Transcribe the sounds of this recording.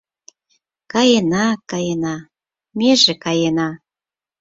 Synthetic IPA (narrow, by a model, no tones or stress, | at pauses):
kɑjenɑkɑjenɑ | meʒekɑjenɑ